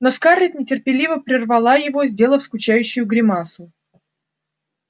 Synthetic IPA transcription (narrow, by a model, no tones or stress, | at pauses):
noskarʲɪt̪ʲnʲɪtʲɪrpʲɪlʲivəpɾʲɪrvɐlˠajɪvo̞zʲdʲe̞lˠəfskʊt͡ɕæjʉɕːʊjʊɡɾʲɪmasʊ